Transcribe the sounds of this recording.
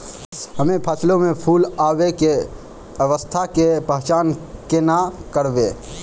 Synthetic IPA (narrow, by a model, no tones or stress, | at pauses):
ɦəmepʰəslomepʰulabeke | əʋəst̪ʰakepəɦt͡ʃankenakəɾbe